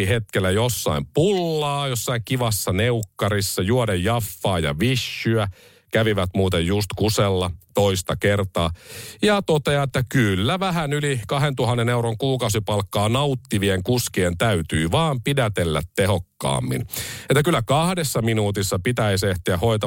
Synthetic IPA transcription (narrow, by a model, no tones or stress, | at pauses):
iɦet̪kelːæjosːɑ̰impulːɑːjosːɑiŋkiʋɑsːɑneukːɑɾisːɑjuodejːɑfːɑːjɑ̰ʋiʃːyæ | kæʋiʋæt̪muːt̪ejjust̪kuselːɑt̪oist̪ɑkert̪ɑːjɑt̪ot̪eɑet̪ːækylːæʋæɦænylikɑɦent̪uhɑnːeneuɾoŋkuːkɑusipɑlkːɑːnɑut̪ːiʋieŋkuskient̪æyt̪yːʋɑːmpidæt̪elːæ̰t̪tehokːɑ̰ːmːḭnet̪ːækylːækɑhdesːɑminuːt̪isːɑpit̪æiseht̪iæhoit̪ɑ